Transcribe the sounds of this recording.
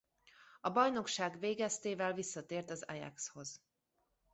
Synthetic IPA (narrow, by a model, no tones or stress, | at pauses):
ɒbɒjno̞kʃaːɡveːɡɛst̪eːvɛlvisːɒt̪eːrt̪ɒzɛ̰jɛ̰ksho̞z̥